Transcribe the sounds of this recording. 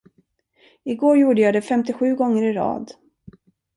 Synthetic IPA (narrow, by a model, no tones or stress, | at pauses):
ɪɡoːɾjuːɖəjɑːd̪ɛfɛmt̪ɪɧʉ̟ːɡɔŋːəɾɪɾɑ̰ːd̪